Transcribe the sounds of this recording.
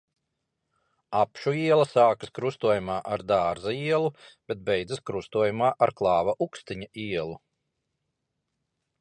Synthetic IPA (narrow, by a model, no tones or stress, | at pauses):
apʃuiɛlˠɐsaːkɨskɾust̪uɔjumaːʔaɾd̪aːɾzaiɛlˠub̥ʲet̪̚bɛjd̪zɨskɾust̪uɔjumaːʔaɾklˠɑːvaʔukst̪iɲaiɛlˠu